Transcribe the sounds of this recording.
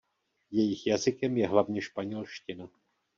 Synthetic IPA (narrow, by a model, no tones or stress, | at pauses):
jɛjɪxjazɪkɛmjɛɦlavɲɛʃpaɲɛlʃcɪna